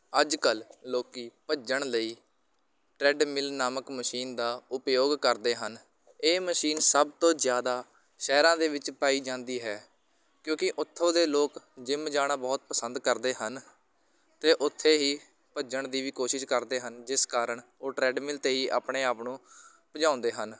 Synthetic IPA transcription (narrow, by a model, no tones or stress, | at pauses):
əd͡ʒkəlloːkiːpəd͡ʒəɳləiː | ʈɾɛːɖmɪlnaːməkməʃiːnd̪aːʊpjoːɡkəɾd̪eːɦən | eːməʃiːnsəbt̪õːzjaːd̪aː | ʃɛːɾãːd̪eːʋɪt͡ʃpaːiːd͡ʒãːnd̪iːɦɛː | kjõːkɪʔʊt̪ʰːõːd̪eːloːkd͡ʒɪmd͡ʒaːɽ̃aːbɔːt̪̚pəsənd̪kəɾd̪eːɦən | t̪eːʔʊt̪ʰːeːɦiː | pəd͡ʒəɳd̪iːʋiːkoːʃɪʃkəɾd̪eːɦənd͡ʒɪskaːɾəɳoːʈɾɛːɖmɪlt̪eːɦiːʔa̰ːpɳeːaːpnũː | pəd͡ʒãːʊ̃nd̪eːɦən